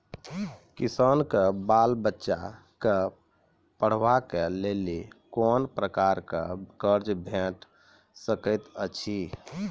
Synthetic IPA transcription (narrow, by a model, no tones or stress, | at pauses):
kisankebalbətːʃa̰ | ke | pəɽ̤ʋakelelikɔnpɾəkaɾkḛkəɾd͡ʒbʱeʈ | səkət̪ət͡ʃʰi